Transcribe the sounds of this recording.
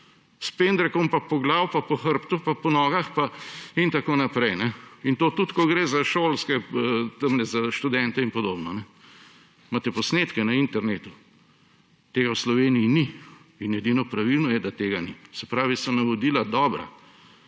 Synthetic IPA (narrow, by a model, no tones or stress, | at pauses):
spend̪ɾɛkɔmpapɔɡlaːwpapɔxəɾpt̪upapɔnɔːɡaxpaint̪akoːnapɾɛjnɛint̪oːt̪ut̪kɔɡɾeːzaʃoːlskɛt̪əmnɛzaʃt̪ud̪ɛnt̪ɛinpɔd̪oːbnɔnɛ | mat̪ɛpɔsneːt̪kɛnɐint̪ɛɾneːt̪u | t̪eːɡawslɔʋeːnijini | inɛd̪inɔpɾaʋilnɔjɛd̪at̪eːɡanisɛpɾaːʋisɔnɐʋod̪ilad̪ɔːbɾa̰